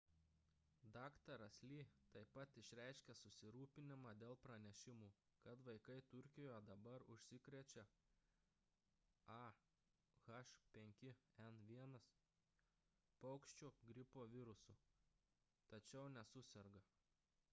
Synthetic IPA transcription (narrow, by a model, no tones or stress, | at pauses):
d̪ɑːkt̪ɐɾɐsʲlʲiːt̪ɐɪpɐt̪ɪʃʲɾʲæˑɪʃʲkʲɛsʊsʲɪɾuːpʲɪnʲɪmɑːd̪ʲeːlˠpɾɐnʲɛʃʲɪmuː | kɐt̪ʋɐɪkɐɪt̪ʊɾʲkʲɪjoːjɛd̪ɐbɐɾʊʃʲsʲɪkɾʲɛt͡ʃʲɛ | ɑ | ɣɐʃpʲɛŋʲkʲɪɛnʋʲiɛnɐs | pɐʊkʃʲt͡ʃʲuːɡɾʲɪpoːʋʲɪɾʊsʊ | t̪ɐt͡ʃʲɛʊnʲɛsʊsʲɛɾɡɐ